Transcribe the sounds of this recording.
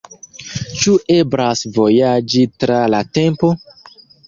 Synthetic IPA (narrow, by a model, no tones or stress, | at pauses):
t͡ʃuʔebɾasvo̞jad͡ʒitɾalatempo